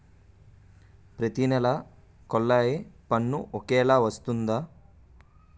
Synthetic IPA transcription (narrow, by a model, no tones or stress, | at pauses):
pɾɐt̪inɛlɐ | kɔlːɐjepɐnːuʔɔkɛːlaːʋɐst̪und̪aː